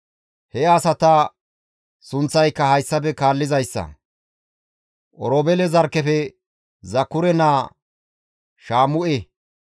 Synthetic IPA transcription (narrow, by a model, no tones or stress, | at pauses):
hɛɐsɐt̪ɐ | sʊnt͡sːɐjkːɐhɐjsːɐbɛkaːlːɪzɐjsːɐ̰ | ʔɔɾoːbɛlɛzɐɾkːɛfɛ | zɐkːʊɾɛnaː | ʃaːmʊʔɛ